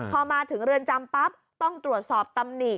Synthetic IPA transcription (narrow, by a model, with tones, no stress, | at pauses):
pʰɔː˧maː˧t̪ʰɯ˩˦ŋɾɯ˧ənt͡ɕa˧mpa˦˥p̚ | t̪ɔ˥˩ŋt̪ɾu˨˩ət̪̚sɔː˨˩p̚t̪a˧mni˨˩